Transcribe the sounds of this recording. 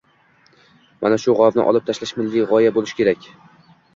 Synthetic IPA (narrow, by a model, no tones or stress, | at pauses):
ma̰naʃʊʁɒvnɪ̰ʔɒ̰lˠɪp̚t̪ʰaʃlaʃmɪlːiʁɒjabolɪʃkʲʰe̞ɾakʲ